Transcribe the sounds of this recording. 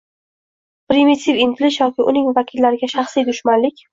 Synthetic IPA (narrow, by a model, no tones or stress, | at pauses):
pɾɪmit̪ʰivɪnt̪ʰɪlɪʃjɒkʲɪʔʊnɪŋvakʲʰɪlːaɾɪɡʲaʃɑχsijd̪ʊʃmanlɪkʲ